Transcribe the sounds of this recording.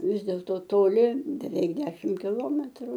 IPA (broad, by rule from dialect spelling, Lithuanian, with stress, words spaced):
ˈʋʲɪs dʲeːlˠtoː toːˈlʲɪ bʲɛˈʋʲɛɪk ˈdʲæːʃʲɪm kʲɪˈlˠoːmʲɛtrʊ